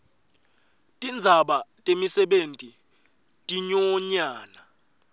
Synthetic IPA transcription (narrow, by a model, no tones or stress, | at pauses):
tʼind͡zʱaɓatʼemisɛɓentʼi | tʼiɲɔɲaːna